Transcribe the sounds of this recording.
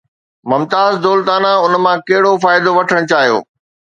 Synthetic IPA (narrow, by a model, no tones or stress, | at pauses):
mɐmt̪aːzd̪oːlt̪aːnaʊnmãkɐɦɪɽofaːɪd̪oʋɐʈʰəɽ̃t͡ɕaːɦijo̰ː